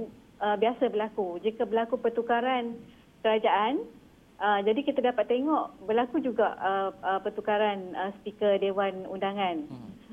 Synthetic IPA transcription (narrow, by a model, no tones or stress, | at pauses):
əbiasabərlakud͡ʒikəbəlakupərt̪ukaɾan | kəɾad͡ʒaʔan | əd͡ʒadikit̪adapat̪ːeŋɔʔbərlakud͡ʒuɡaʔəpərt̪ukaɾanəspikədewanundaŋãn